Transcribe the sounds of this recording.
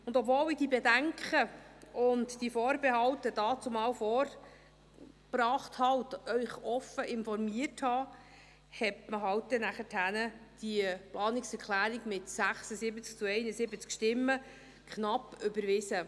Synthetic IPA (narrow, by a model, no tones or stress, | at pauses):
ʊnd̪ɔpvoːlɪd̥ibɛdæŋkχəʊntd̥ifɔːɾbehɑwtəd̥ɑːt͡sʊmɑːwfɔːɾ | b̥rɑːχthɑwt̪œʏχɔfəʔɪnfɔɾmiəthɑː | hɛtməɦɑwt̚d̥̪ɛnæχəthænəd̥iplɑːnɪksɛɾkʰlæːɾiɡmɪtsæχsəsɪbət͡sk̚t͡suɛɪnəsɪbət͡skʃtɪmːə | kχnɑpːʏbəɾʋɪsə